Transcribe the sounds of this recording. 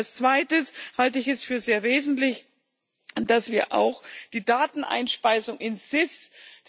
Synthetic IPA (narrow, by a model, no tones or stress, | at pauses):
lst͡sv̥aɪtəshaltəɪçɛsfyːɐzeːɐveːzn̩tlɪç | d̥asv̥iːɐʔa̰ʊxd̥iːdaːtn̩ʔa̰ɪnʃpaɪsʊŋʔɪnz̥ɪs